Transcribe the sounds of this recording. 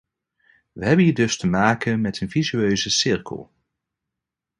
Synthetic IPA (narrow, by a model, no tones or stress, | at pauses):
ʋəɦɛbənɦiːɹdɵstəmaːkənmɛtənvizyøɥzəsɪɹkə̰lˠ